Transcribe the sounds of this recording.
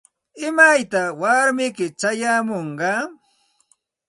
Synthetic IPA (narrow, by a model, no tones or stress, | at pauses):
ɪmajt̪awaɾmɪkɪt͡ʃajamoɴɢɑ